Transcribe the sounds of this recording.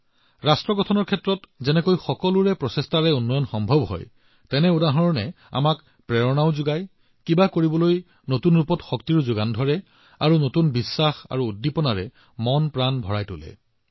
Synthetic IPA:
ɹastɹɔɡɔtʰɔnɔɹkʰɛtɹɔtzɛnɛkojxɔkɔluɹɛpɹɔsestaɹɛunːɔjɔnxɔmbʱɔbɦɔ̰j | tɛnɛudaɦɔɹɔnɛ | a̰mak | pɹɛɹɔnaʊzʊɡaj | kibakoɹibɔloj | notunɹupɔtxɔk̚tiɹzʊɡandʱɔɹɛ | aɹunotunbisːaxa̰ɹuːdːipɔnaɹɛ̰ | mɔnpɹanbʱɔɹajtʊlɛ̰

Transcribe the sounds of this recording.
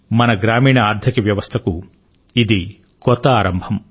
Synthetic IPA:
mɐnɐɡɾaːmiːɳɐaːɾd̪ʱɐkiʋjɐʋɐst̪ʰɐku | id̪i | kɔt̪ːɐaːɾɐmbʱɐm

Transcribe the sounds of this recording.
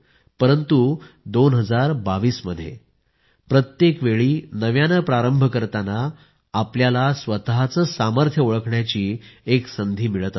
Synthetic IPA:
pəɾənt̪u | d̪onɦəd͡zaɾbaʋiːsməd̪ʱːjḛ | pɾət̪jekʋeɭiːnəʋjanəpɾaɾəmbʱəkəɾt̪anaː | pljalasʋət̪ɦat͡səːsaməɾt̪ʰjəuɭəkɳjat͡ɕiːeksənd̪ʱiːmiɭət̪

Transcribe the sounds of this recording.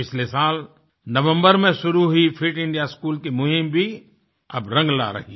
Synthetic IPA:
pɪt͡ʃʰlesaːl | nɐʋə̃mbəɾmẽʃʊɾuɦʊifʰɪʈɪ̃ɳɖijaskuːlkemʊɦɪmbʱi | ɐbɾɐ̃ŋɡla̰ɾɐ̰ɦiː

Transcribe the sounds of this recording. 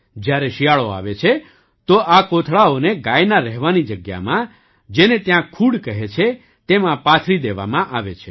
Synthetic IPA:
d͡ʒjaɾeʃijaɭoa̰ʋet͡ʃʰe | t̪oʔakot̪ʰɭaoneɡajnaɾɛɦʋanid͡ʒəɡja̰mã | d͡ʒenet̪jãkʰuɽkəɦet͡ʃʰe | t̪emãpat̪ʰɾid̪eʋa̰mãʔaʋet͡ʃʰe

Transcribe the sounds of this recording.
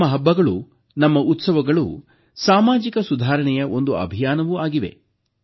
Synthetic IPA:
ɐɦɐbːɐɡɐɭṵ | nɐmːɐʔut̪sɐʋɐɡɐɭṵ | saːmaːd͡ʒikɐsud̪ʱaːɾɐɳɛjɐo̞nd̪uɐ̰bʱijaːnɐʋuaːɡiʋe̞̰

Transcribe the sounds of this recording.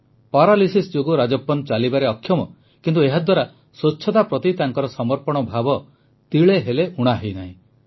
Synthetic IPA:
pɔɾalisisd͡ʒoɡuɾad͡ʒɔpːɔnt͡ʃalibaɾeɔkʰːjɔmɔ | kint̪ueɦad̪waɾa | sot͡ʃʰːɔt̪apɾɔt̪it̪aŋkɔɾɔsɔmɔɾpɔɽ̃ɔbʱabɔ | t̪iɭeɦeleuɽ̃aɦejnaɦĩ

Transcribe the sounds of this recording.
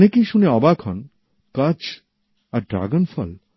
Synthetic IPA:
nekejʃuneɔbakʰɔn | kʌt͡ɕ | aɾɖɾa̰ɡonfɔ̰l

